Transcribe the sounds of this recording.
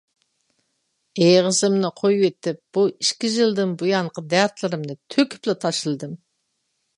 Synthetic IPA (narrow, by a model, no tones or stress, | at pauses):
ejʁəzɨmnɨqʰojwet̪ɪp̚b̥uiʃkʲiʒilˠd̪ɪnbujɑɴqʰəd̪æɾt̪lɪɾɪmnɨt̪ʰøkʲɪ̥plɪt̪ʰɑʃɨlˠd̪ɨm